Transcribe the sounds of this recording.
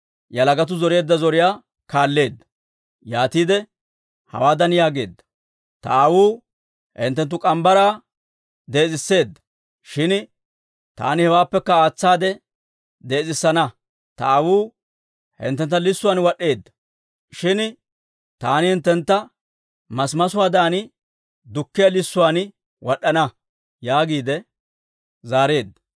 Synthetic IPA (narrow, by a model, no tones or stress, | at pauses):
jɐlɐɡɐt̪̬ʊzɔɾeːd̪ːɐzɔɾɪjaː | kaːlːe̞ːd̪ːɐ̥ | jaːt̪iːd̪ɛ | hɐ̰waːd̪ɐnjaːɡe̞ːd̪ːɐ̥ | t̪ɐ̰ɐwuː | hɪ̰nt̪ːɛnt̪̬ːʊkʼɐmbɐɾaː | d̪eːt͡sʼɪsːe̞ːd̪ːɐ̥ | ʃɪn | t̪a̰ːnɪhɛwaːpːɛkːɐaːt͡sːaːd̪ɛ | d̪e̞ːt͡sʼɪsːɐnɐ | t̪ɐ̰ɐwuː | hɪ̰nt̪ːɛnt̪ːɐlɪsːʊwaːnwɐɗːe̞ːd̪ːɐ̥ | ʃɪn | t̪aːnɪhɪnt̪ːɛnt̪ːɐ | mɐsmɐsʊwaːd̪aːnɪ | d̪ʊkːɪjɐlɪsːʊwaːn | wɔɗːɐnɐ | jaːɡiːd̪ɛ | zaːɾe̞ːd̪ːɐ